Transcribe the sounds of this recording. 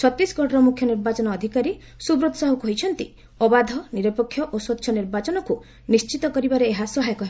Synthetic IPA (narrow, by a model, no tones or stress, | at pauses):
t͡ʃʰɔt̪isɡɔʈɾɔmukʰjɔniɾbat͡ʃɔnɔːd̪ʱikaɾi | subɾut̪saɦukuɦojt͡ʃʰɔnt̪i | ɔbad̪ʱɔniɾɔpɔkʰːjɔʔosɔt̪ːʃʰɔniɾbat͡ʃɔnɔku | nist͡ʃit̪ɔkɔɾibaɾeːɦasɔɦajɔkɔɦi